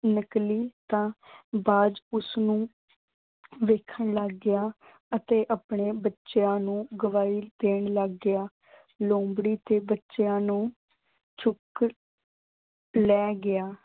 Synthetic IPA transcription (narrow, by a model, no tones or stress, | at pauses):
nəkliːt̪ãːbaːd͡ʒʊsnũː | ʋeːkʰəɳləɡːɪjaː | ət̪eːʔaːpɳeːbətːʃejãːnũːɡəʋaːiːd̪eːɳləɡːɪaː | lõːmbɽiːt̪eːbətːʃejãːnũː | t͡ʃʰʊk | lɛːɡɪaː